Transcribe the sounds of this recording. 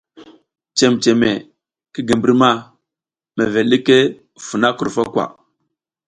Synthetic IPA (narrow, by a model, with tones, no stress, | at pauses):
t͡ʃe˨mt͡ʃe˨me˨ | ki˦ɡi˨mbi˦ɾma˦ | me˨ve˨li˦ke˦ | fu˨na˦ku˨ɾfa˦kwa̰˨